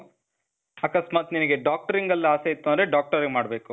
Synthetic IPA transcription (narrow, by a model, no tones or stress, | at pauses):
ɐkɐsmaːt̪ninɐɡe̞ɖaːk̚ʈɐɾiŋɡɐlːɐaːseit̪ːond̪ɾeɖaːk̚ʈɐɾiɡmaːɽbeːku